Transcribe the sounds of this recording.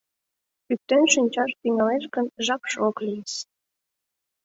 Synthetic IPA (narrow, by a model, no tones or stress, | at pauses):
yk̚t̪ønʃinʲt͡ɕɑʃt̪iŋɑleʃkənʒɑkʃoklijeʃ